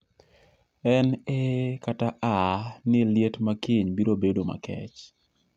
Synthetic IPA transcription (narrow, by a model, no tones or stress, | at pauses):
ɛnekataʔanɪljetmakiɲbiɾobedoma̰kɛ̰t͡ʃ